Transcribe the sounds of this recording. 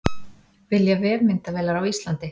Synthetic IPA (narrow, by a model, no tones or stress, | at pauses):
vɪljavɛːɾmɪnt̪avɛːlaɾawist̪lant̪ɪ